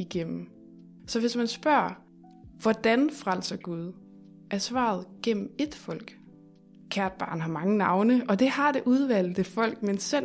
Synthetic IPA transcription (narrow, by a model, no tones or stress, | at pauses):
iɡ̥em̰m̩ | sɒ̽ʋe̝smænsb̥ɶɐ̰ | ʋɒd̥ænfʁal̰sɐɡ̥uð̞ˠ | ʔæɐsʋɑ̰̈ːð̞̩ˠɡ̥em̰m̩e̝d̥fɒ̽l̰ɡ̥ | kʰæɐd̥̚b̥ɑ̈ːnɦɑ̈mɑ̈ŋənɑ̈ʊnəʔɒ̽d̥e̝hɑ̈d̥e̝ʔuð̞ˠʋæl̰efɒ̽l̰ɡ̥̚mensen